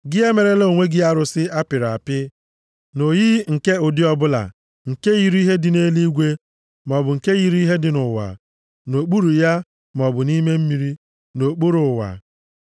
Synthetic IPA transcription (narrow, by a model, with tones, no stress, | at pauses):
ɡɪ˦e˦me˨ɾe˦lo˦o˨ŋʷe˦ɡɪ˦a˦ɾʊ˨sɪ˦a˦pɪ˨ɾa˨pɪ˦ | no˨ji˦ŋ̩˨ke˦ʊ˨dɪ˦ɔ˦bʊ˦la̰˨ | ŋ̩˨ke˦ji˨ɾi˦ɦe˦dɪ˨ne˦li˦ɡʷe˦ | m˨ɔ˨bʊ˨ŋ̩˨ke˦ɣi˨ɾi˦ɦe˦dɪ˨nʊ˨wa̰˨ | no˨k͡pu˦ɾu˨ja˦ | m˨ɔ˨bʊ˨ni˦me˦m̩˦mi˨ɾi˦ | no˨k͡pu˦ɾʊ˨wa̰˨